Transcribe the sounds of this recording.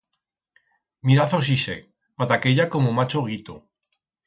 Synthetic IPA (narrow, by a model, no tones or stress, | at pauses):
miɾaθos̬isḛk | mat̪akeʎakomomat͡ʃoɣ̞it̪o̰